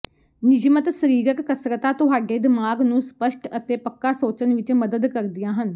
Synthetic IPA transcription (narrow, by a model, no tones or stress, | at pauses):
nɪd͡ʒmət̪səɾiːɾəkːəsɾət̪aːt̪ʊɦaːɖeːd̪ɪmaːɡnũːspəʃʈət̪eːpəkːaːsoːt͡ʃənʋɪt͡ʃməd̪əd̪kəɾd̪ɪjãːɦən